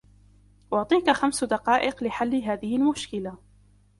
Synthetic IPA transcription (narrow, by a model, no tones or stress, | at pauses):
wʊʕt̪ˤiːkaxamsd̪ɑqɑːʔɪqlɪħalːɪɦaːðɪhɪlmʊʃkɪla